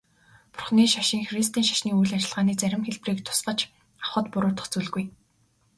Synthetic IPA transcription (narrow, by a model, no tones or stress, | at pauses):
pʊrχniːʃaʃĭŋxrist̪ʰiːnʃḁʃniːujɮat͡ɕɪ̆ɮʁaːniːt͡sæɾʲɪ̆mxeɮpriːkt̪ʰʊ̥sɢə̆t͡ɕ | ḁχə̆t̪pʊɾʊːrt̪ʰɔ̥̆χʰt͡suːɮɣuj